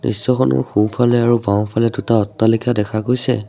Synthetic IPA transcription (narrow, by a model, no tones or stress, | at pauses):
nḭsːɔxʰɔnʊ̰xũpʰalɛaɹubaw̃pʰalɛdutaɔtːalikʰadɛkʰakojsɛ̰